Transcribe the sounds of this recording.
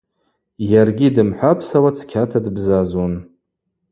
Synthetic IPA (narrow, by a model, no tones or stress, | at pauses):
jarɡʲidɨmħʷapʰsawat͡sʰkʲʰatʰadɨbzazon